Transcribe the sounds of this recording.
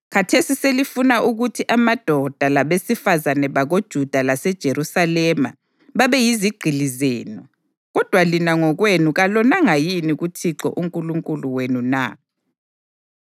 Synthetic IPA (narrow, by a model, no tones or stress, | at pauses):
ɣatʰesiselifunaʔuɣutʰiʔamad̥ʱɔd̥ʱalaβesifazanɛβaɣod̥ʒ̥ʱud̥ʱalasɛd̥ʒ̥ʱeɾusalɛma̰ | βaβɛjiziɡ͡ǀ̥ʱilizeːnɔ | ɣɔd̥ʱwalinaŋɔɣwenuɣalɔnaŋajiniɣutʰiǁɔ̰ʔuŋkʼuluŋkʼuluwenuna̰